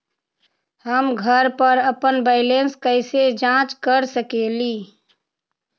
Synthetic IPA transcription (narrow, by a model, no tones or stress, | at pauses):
həmɡʱəɾpəɾəpənbəɪlenskəɪsed͡ʒãt͡ʃkəɾsəkeli